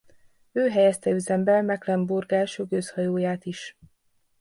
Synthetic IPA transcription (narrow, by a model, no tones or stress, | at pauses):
øːɦɛjɛst̪ɛyzɛmbɛlmɛklɛmburɡaːʃøɡøshɒjoːjaːt̪iʃ